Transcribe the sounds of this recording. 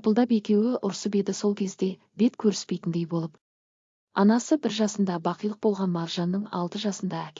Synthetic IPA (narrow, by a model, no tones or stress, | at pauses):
pəlˠd̪ɑpe̞kʲe̞wɪʔʊɾsəbe̞d̪ɪso̞lˠkʲʰe̞zd̪e̞ | be̞t̪kʲʰɵɾɪspe̞jt̪ɪnd̪e̞jbo̞lˠəp | ɑnɑsəbɪɾʒɑsənd̪ɑbɑqijlˠəq̚bo̞lˠʁɑnmɑɾʒɑnːəɴɑ̰lˠt̪əʒɑsənd̪ɑækʲ